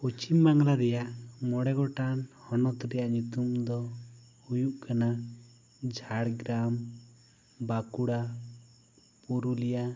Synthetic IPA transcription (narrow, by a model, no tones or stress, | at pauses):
ut͡ʃimːaŋlaɾɛjaʔmɔɽɛɡɔʈanhɔnɔt̪ɾɛjaʔɲut̪umd̪ɔ | hujuʔkana | d͡ʒʱaɽɡɾam | bakuɽa | puɾulija